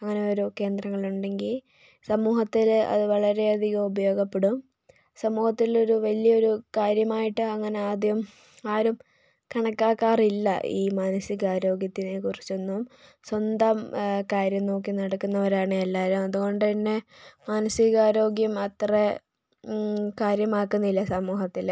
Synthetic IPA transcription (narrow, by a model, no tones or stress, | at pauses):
ɐŋːɐne̞o̞ɾuke̞ːnd̪rɐŋːɐɭɭuɳɖe̞ŋɡil | sɐmuːhɐt̪ːilɐ̰ðɨʋɐɭɐɾe̞ɐd̪ʱiɣɐmubɐjo̞ːɡɐpːeɽum | sɐmuːhɐt̪ːilo̞ɾuʋɐlijɐo̞ɾukaːɾjɐmaːjiʈːɨɐŋːɐne̞aːd̪jɐm | aːɾum | kɐɳɐkːaːkːaːrilːɐ̰ʔḭːmaːnɐsiɣaːɾo̞ːɡjɐt̪ːinekurit͡ɕːonːumswɐnd̪amkaːɾjɐmno̞ːkːinɐɽɐkːunːɐʋɐɾaːɳɨelːaːɾumɐðuɣo̞ɳɖɨpinːe̞maːnɐsiɣaːɾo̞ːɡjɐmɐt̪re | kaːɾjɐmaːkːunːɐilːɐsɐmuːɦɐt̪ːil